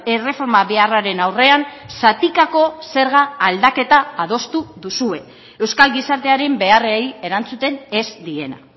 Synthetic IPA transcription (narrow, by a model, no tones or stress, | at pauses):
e̞re̞fo̞ɾmaβearaɾe̞nawre̞ansat̪ikako̞se̞ɾɣ̞aːld̪ake̞t̪aaðo̞st̪uðusue̞ | ewskalɣisaɾt̪e̞aɾe̞mbe̞areeje̞ɾant͡sut̪e̞ne̞zd̪ie̞na̰